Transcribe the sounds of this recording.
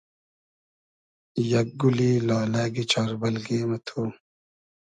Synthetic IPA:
jɐk̚ɡulilaːlaːɡit͡ɕʰaːɾbɐlɡeːmɐt̪ʰuː

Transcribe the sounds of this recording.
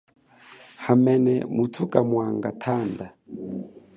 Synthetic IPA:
hamɛnɛ̰mutʰukʼamwaŋɡatʰanda

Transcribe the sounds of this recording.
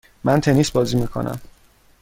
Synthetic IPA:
mænt̪ʰe̞niːsbɒːziːmiːkʰo̞̰næ̰m

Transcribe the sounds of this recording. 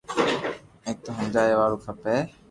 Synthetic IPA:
ẽːk̚t̪oːɦəmd͡ʒaːjeːʋaːɾuːkʰəpeː

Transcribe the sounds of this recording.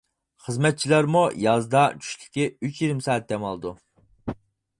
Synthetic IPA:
χəzmɛt̪̚t͡ʃʰilˠæɾmujɑzd̪ɑt͡ʃʰy̥ʃlɪ̥kʲiyt͡ʃjeɾɪmsɑːt̪̚d̪ɛmɑlˠɨd̪u

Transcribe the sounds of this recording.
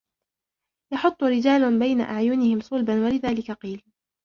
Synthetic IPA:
jɑħʊt̪ˤːʊɾɪd͡ʒaːlbajna̰ʔaʕjʊnɪhɪmsˤʊlbanwalɪðaːlɪkaqiːl

